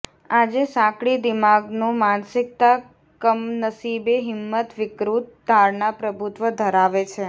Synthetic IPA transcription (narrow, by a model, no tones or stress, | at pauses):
ad͡ʒesãkɭid̪ɪmaɡnũmansɪk̚t̪a | kəmnəsibeɦɪmːət̪ʋɪkɾut̪̚d̪ʱaɾɳapɾəbʱut̪ʋəd̪ʱəɾaʋet͡ʃʰe